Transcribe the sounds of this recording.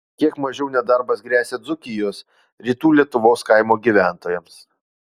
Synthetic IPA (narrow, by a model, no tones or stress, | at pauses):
kʲiɛkmɐʒʲɛʊnʲɛd̪ɐɾbɐsɡɾʲæːsʲed̪zʊkʲɪjoːs | ɾʲiːt̪uːlʲiɛt̪ʊʋoːskɐɪmoːɡʲiʋʲæˑnt̪oːjɛms